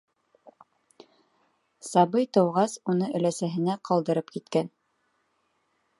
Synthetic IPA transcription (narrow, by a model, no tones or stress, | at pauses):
sɑbɤjt̪ɤ̆wʁɑsunɤʔɘ̆læsæɦɘ̆næqʰɑlˠd̪ɤ̆ɾɤpkit̪kæn